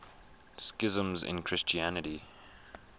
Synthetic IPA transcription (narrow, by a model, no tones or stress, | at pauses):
skɪzə̃mzɪ̰̃nkʰɹ̥ɪst͡ʃiænəti